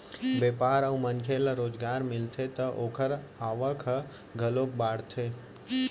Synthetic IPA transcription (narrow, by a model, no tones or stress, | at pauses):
bepaːɾəumənkʰeləɾoːd͡ʒɡaːɾmɪlt̪ʰet̪əʔoːkʰəɾ | aːʋəkʰ | ɡʱəlok̚baːɽt̪ʰe